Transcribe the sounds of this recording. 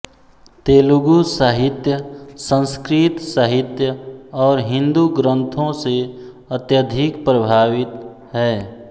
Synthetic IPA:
t̪eːluɡusaɦɪt̪jəsə̃nskɾɪt̪səɦɪt̪jəɔːɾɦɪ̃nd̪uɡɾə̃nt̪ʰõse | ət̪jəd̪ʱɪkpɾəbʱaːwɪt̪ | ɦɛː

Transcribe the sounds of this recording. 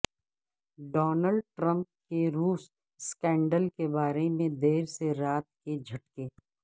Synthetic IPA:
ɖɔːnəlɖ̚ʈɾə̃mp̚keɾuːs | skɛ̃ːɳɖəlkebaːɾemẽd̪eːɾseɾaːt̪̚ked͡ʒʱɐʈkeː

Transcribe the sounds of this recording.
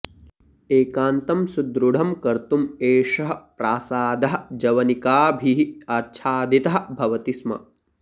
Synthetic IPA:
eːkaːnt̪ɐmsud̪ɾuɽ̤ʱɐmkɐɾt̪umeːʃɐɦɐ̆pɾaːsaːd̪ɐɦɐ̆d͡ʒɐʋɐnikaːbʱiɦiaːt͡ʃʰaːd̪it̪ɐɦɐ̆bʱɐʋɐt̪ismɐ̰

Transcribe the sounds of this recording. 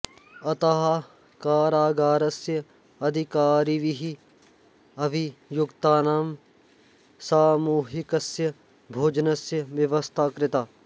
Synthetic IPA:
ɐt̪aɦ | kaːɾaːɡaːɾɐsjɐ | ɐd̪ʱikaːɾiʋiɦi | ɐbijʊkt̪aːnaːm | saːmuːɦikɐsjɐ | bʱoːd͡ʒnɐsjɐʋjɐʋɐst̪ʰaːkɾɪt̪aː

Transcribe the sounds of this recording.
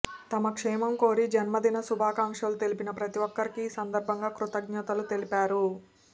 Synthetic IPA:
t̪ɐmɐkʂɛːmɐmko̞ːɾid͡ʒɐnmɐd̪inɐsubʱaːkaːŋʂɐlut̪e̞lipinɐpɾɐt̪iʋɔkːɐɾikiːsɐnd̪ɐɾbʱɐŋɡaːkɾut̪ɐɡ̚ɲɐt̪ɐlut̪e̞lipaːɾu

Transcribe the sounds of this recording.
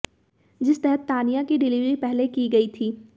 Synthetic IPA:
d͡ʒɪst̪ɛɦət̪ːaːnijakiɖɪliːʋɾipɛɦlekiɡɐit̪ʰiː

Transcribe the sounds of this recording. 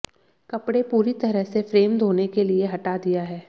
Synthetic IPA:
kɐpɽepuːɾit̪ɐɾəɦsefɾeːmd̪ʱoːnekelieɦɐʈad̪ijaɦɛː

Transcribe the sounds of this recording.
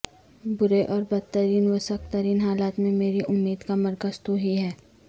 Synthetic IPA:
bʊɾeʔɔːɾbɐd̪̚t̪əɾiːnʋɐsəkt̪əɾiːnɦaːlaːt̪mẽmeːɾiʔʊmːiːd̪kamɐɾkəst̪oɦiɦɛː

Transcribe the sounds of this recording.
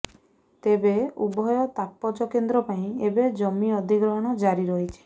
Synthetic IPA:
t̪ebeubɔjɔt̪apːɔt͡ʃɔkend̪ɾɔpaĩebed͡ʒɔmiɔd̪ʱiɡɾɔɦɔɽ̃ɔd͡ʒaɾiɾɔɦit͡ʃʰi̥

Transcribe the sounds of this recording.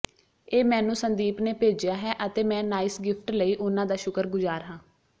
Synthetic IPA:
eːmɛ̃ːnũːsənd̪iːpneːpeːd͡ʒjaːɦɛːʔət̪eːmɛ̃ːnaːɪsɡɪpʰʈləiːʔʊnãːd̪aːʃʊkəɾɡʊzaːɾɦãː

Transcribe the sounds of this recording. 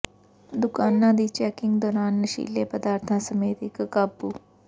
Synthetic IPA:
d̪ukaːnːaːd̪iːt͡ʃɛːkiŋɡd̪ɔːɾaːnːɐʃḭːlːeːpəd̪aːɾt̪ʰãsɐmeːt̪ikɐkabːu

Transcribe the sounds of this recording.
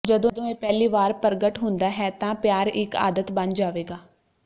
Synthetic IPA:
d͡ʒəd̪õd̪õːeːpɛːliːʋaːɾpəɾɡəʈɦʊ̃nd̪aːɦɛːt̪ãːpɪjaːɾɪka̰ːd̪ət̪bənd͡ʒaːʋeːɡaː

